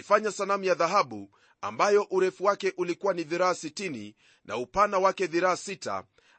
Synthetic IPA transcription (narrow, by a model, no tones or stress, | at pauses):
ifaɲasanamujaðaɦaɓu | a̰mbajɔʔuɾɛfuwakɛʔulikuwaniðiɾaasitinḭ | nʔa̰upanawakɛðiɾaasita̰